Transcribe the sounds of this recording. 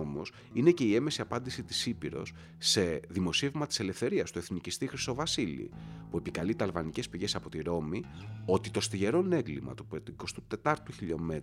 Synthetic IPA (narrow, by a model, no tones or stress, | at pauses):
omo̞s | ine̞ce̞ie̞mesiɐpɐnd̪isit̪i̥sipiɾo̞̰s | se̞ðimo̞sievmɐt̪i̥se̞le̞fθe̞ɾiɐst̪ue̞θnicist̪ixɾist̪o̞vɐsilḭpue̞pikɐlit̪ɐlvɐnice̞spiʝe̞sɐpo̞t̪iɾo̞mio̞t̪it̪o̞st̪iʝe̞ɾo̞ne̞ŋɡlimɐ̰t̪upet̪ko̞st̪ut̪e̞t̪ɐɾt̪uçiʎo̞me̞t̪